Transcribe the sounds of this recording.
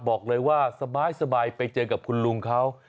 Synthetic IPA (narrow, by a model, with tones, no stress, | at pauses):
bɔː˨˩k̚lɤː˧jwaː˥˩sa˧baː˧jsa˧baː˧jpa˧jt͡ɕɤː˧ka˨˩p̚kʰu˧nlu˧ŋkʰa˦˥w